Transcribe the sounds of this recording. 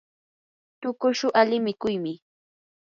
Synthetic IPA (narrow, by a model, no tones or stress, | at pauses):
t̪ʊkʊʃʊʔalɪmɪkʊjmɪ